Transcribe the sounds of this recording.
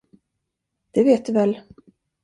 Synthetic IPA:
d̪̥ɛveːt̪̚d̪ɵvɛlː

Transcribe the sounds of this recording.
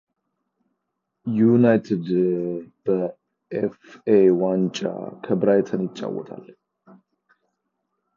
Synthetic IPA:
junajt̪ʰed̪b̥ə | ʔefewant͡ʃʼa̰kʰəbɾajt̪ʰənjɪt͡ʃʼːa̰wːɔ̰t̪ʰa̰lː

